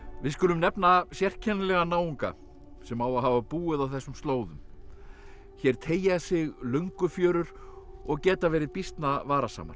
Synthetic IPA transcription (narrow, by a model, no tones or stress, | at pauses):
vɪðskʏːlʏmnɛpnasjɛr̥cʰɛnlɛɣanaːwiŋka̰ | sɛmawaɦaːvapuːɪðawθɛsːʏmst̪loːwðʏm | çɛɾ̥t̪ʰeːjasɪɣlœɥŋkʏfjœːɾʏɾ̥ɔɣcɛːt̪avɛːɾɪðpist̪navaːɾasa̰ːma̰ɾ̥